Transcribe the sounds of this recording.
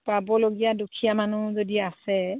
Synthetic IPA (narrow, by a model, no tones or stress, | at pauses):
pabɔloɡijadukʰijamanuzodiasɛ